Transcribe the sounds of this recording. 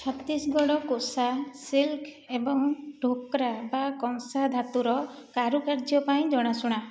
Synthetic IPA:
t͡ʃʰɔt̪isɡɔɽ̃ɔkosasilkʰ | ebɔŋɖʱokɾabakɔŋsad̪ʱat̪uɾɔkaɾukaɾd͡ʒɔpaĩd͡ʒɔɽ̃asuɽ̃a

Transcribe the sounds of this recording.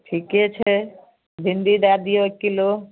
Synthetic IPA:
ʈʰikːiet͡ɕʰe | bʱind̪id̪ad̪ijoekːilo

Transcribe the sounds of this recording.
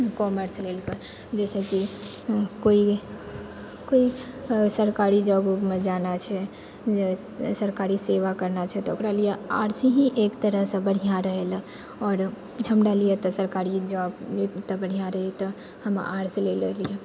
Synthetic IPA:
kɔməɾslelkə | d͡ʒɛːseki | koi | koisəɾkaːɾid͡ʒɔːbumẽd͡ʒaːnat͡ʃʰɛ | səɾkaːɾiseʋakəɾnat͡ʃʰɛt̪ɔokɾalijea̰ːɾsiɦĩʔeːkt̪əɾəɦsə̃bəɽ̤ijãɾəɦel | ɔːɾ | ɦəmɾalijet̪ɔsəɾkaːɾid͡ʒɔːbt̪ɔbəɽ̤ijãɾəɦit̪ɔ | həma̰ːɾslellije

